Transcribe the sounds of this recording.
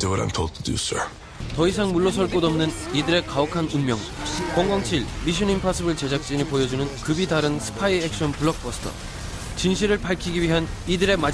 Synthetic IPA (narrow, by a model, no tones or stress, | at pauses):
duwʌɾã̰ɪ̃mtʰoʊlˠd̚tʰudṵsə̰˞ | tʌis̬ʰaŋmuɭːʌsʰʌɭk͈odʌmnɯnidɯɾe̞kaʌkʰanɯnmjʌŋ | kwʌŋɡʌŋt͡ɕʰiɭmiɕ̬ʰʌnimpʰas͈ʰɯbɯɭt͡ɕe̞d͡ʑak̚t͡ɕ͈inipojʌd͡ʑunɯnkɯbidaɾɯnsʰɯ̥pʰaiek̚ɕ͈ʰʌnpuɭːʌk̚p͈ʌsʰɯ̥tʰʌ̰ | t͡ɕinɕʰiɾɯɭpaɭkʰiɡiɥiɦanidɯɾe̞ma